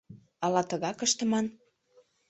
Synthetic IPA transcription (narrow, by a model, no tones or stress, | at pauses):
ɑlɑt̪əɣɑkəʃt̪ə̆mɑn